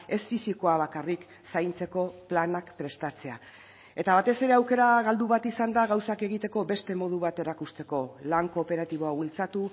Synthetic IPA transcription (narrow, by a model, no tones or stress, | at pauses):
e̞sfisiko̞aβ̞akarik | sajnt͡se̞ko̞planakpɾe̞st̪at͡se̞a | e̞t̪aβ̞at̪e̞se̞ɾe̞awke̞ɾaɣald̪uβat̪isand̪aɣawsake̞ɣ̞it̪e̞ko̞be̞st̪e̞mo̞ð̞uβat̪e̞ɾakust̪e̞ko̞laŋko̞ːpe̞ɾat̪iβ̞o̞awilt͡sat̪u